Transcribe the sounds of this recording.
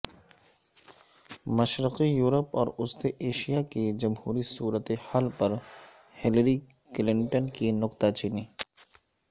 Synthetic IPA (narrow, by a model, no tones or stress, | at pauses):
mɐʃɾɪqijuːɾəpɔːɾʊst̪eʔeːʃijaked͡ʒɐmhuːɾisuːɾət̪ehaːlpɐɾ | hɪləɾi | klɪ̃ɳʈənkinʊqt̪at͡ʃiːniː